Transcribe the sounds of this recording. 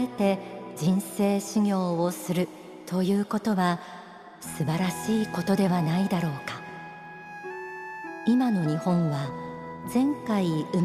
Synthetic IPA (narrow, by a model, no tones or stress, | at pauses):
et̪e̞d͡ʑĩɰ̃se̞ːɕiɲʲo̞ːosɨɾɯ̟ | t̪ʰo̞jɯ̟ːko̞t̪o̞βa | sɨbaɾaɕiːko̞t̪o̞d̪e̞βanaid̪aɾo̞ːkḁ | imano̞ɲ̟ihõ̞ɰ̃βa | zẽ̞ŋkaiɯ